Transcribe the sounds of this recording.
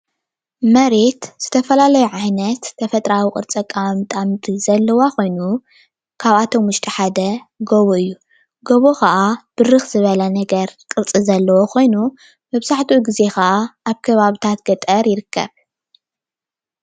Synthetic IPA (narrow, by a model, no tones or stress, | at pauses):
mɐɾe̞t̪z̥ɨt̪ʰɐfɐlalɐjuʕajnɐt̪ʰːɐfɐt̪ʼɾawikʼɨ̰ɾt͡sʼɐkʼːamt̪ʼamt̪ʼizɐlːɐwako̞jnu | kʰaβat̪ʰo̞mwʊʃt̪ʰʼiħad̪ɐ | ɡoβoɨjːu | ɡoβokʰɐʔab̥ɨɾɨxz̥ɨβɐlɐnɐɡɐɾkʼɨɾt͡sʼizɐlːɐwokʰo̞jnu | mɐβzaħt̪ʰuɡize̞kɐʔaʔaβkʰɐβaβit̪ʰat̪ɡɐt̪ʼɐɾjɪɾɨkʰːɐ̰β